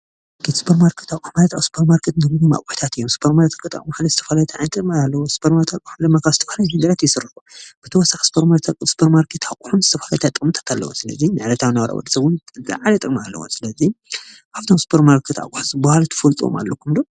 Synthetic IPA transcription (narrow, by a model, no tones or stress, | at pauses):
kʰet̪sɨ̥pʰɐɾmaɾkʰe̥t̪akʼħmalɐt̪a̰wsɨ̥pʰɐɾmaɾkʰet̪nɨɡunuma̰kʼuħi̥t̪ʰat̪ɨjːomsɨ̥pʰɐɾmaɾt̪ʰakʼt̪a̰kʼmahlizɨ̥t̪ʰɐfalajɛt̪ʰaʕnt̪ʼɨɾmaalːɐwosɨ̥pʰɐɾmaɾt̪ʰakʼuħumd̪ɨmːakʰazɨt̪ʰɐfahalajmɨɡɐɾat̪jɪsɨrɨħub̥ɨt̪ʰɐwɔsːaxi̥sɨ̥pʰɐɾmaɾt̪ʰakʼɨsɨ̥pʰɐɾmaɾkʰet̪ʰakʼuħumzɨt̪ʰɐfalajɛt̪at̪ʼɨkʼmɨt̪ʰḁt̪ʰalːɐ̰wosɨlɐ̰zinɨʕlɐt̪ʰawinɐwɾa̰wɔ̰d̪ɐsɐβunzɨ̰ʕalɐt̪ʼɨɾʼmaalːɐ̰wo̰sɨlɐzi | kʰaft̪ʰomsɨ̥pʰɐɾmaɾkʰet̪a̰kʼuħzɨbahalt̪ʰɨ̥fɐlt̪ʼuo̰ma̰lːɐkʰːumd̪o